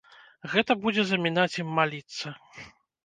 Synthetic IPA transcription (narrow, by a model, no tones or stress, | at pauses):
ɣɛt̪ɐbud͡zʲɛzɐmʲinat͡sʲjimːalʲit̪sːɐ